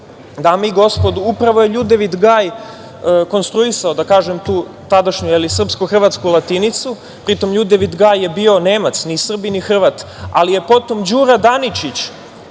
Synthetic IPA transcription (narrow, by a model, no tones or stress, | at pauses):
d̪ameiɡo̞spo̞d̪uupɾaʋoje̞ʎud̪eʋid̪ɡaːj | əko̞nst̪ɾuisaod̪akaːʒemt̪uː | t̪ad̪aʃɲujelisr̩pskoxr̩ʋat̪skulˠat̪init̪su | pɾit̪o̞mʎud̪eʋid̪ɡaːjːe̞biːo̞ne̞ːmat̪snisr̩binixr̩ʋat̪ | a̰lije̞po̞t̪o̞md͡ʑuːɾad̪anit͡ʃit͡ɕ